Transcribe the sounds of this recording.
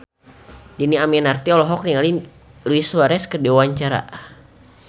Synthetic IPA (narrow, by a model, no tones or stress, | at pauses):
diniamianart̪iɔlɔɦɔk̚niŋali | luiswaɾɛskədewaɲt͡ʃaɾa̰